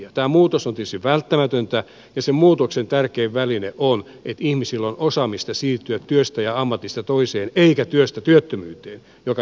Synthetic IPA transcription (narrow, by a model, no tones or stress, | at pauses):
ɑt̪æːmuːt̪osont̪et̪yst̪iʋʋælt̪ːæmæt̪ønt̪æ | jɑsemmuːt̪oksent̪ærkeːʋʋælineʔon | et̪ihmisilːonosɑmist̪ɑsiːrt̪yæt̪tyøst̪æjɑɑmːɑt̪ist̪ɑt̪oiseːneikæt̪yøst̪æt̪yøt̪ːømyːt̪eːn | jokɑ